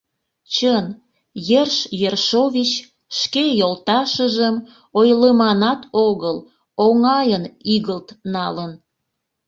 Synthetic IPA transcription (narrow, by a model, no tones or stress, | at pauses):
t͡ɕən | jerʃjerʃoβʲit͡ɕ | ʃkejolt̪ɑʃəʒəm | ojləmɑnɑt̪oɣəl | oŋɑjəniɣəlt̪nɑlən